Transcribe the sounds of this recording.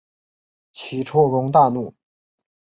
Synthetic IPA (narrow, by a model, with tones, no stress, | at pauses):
t͡ɕʰi˧˥ʈ͡ʂʰɔ˥ɻʊ˧˥ŋt̪a˥˧nu˥˩